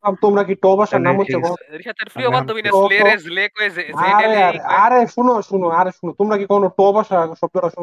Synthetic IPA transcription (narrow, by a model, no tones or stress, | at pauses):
amt̪omɾakiʈɔbʱaʃanamot̪ːakɔʃat̪ʰeɾfɾioat̪ːobinaɔɔlekoezeaɾeaɾeaɾeʃunoʃunoaɾeʃunot̪omɾakikɔonoʈɔbaʃaʃɔb̚d͡ʑɔɽaʃun